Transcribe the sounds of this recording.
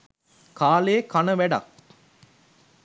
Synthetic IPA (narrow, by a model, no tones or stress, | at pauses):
kaːleːkɐnəʋæɖɐ̰k